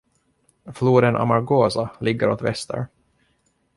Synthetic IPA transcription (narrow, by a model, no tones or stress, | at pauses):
fluːd̪ənʔa̰maɾɡoːsalɪɡːəɾoːt̪vɛst̪ʰə̰ɾ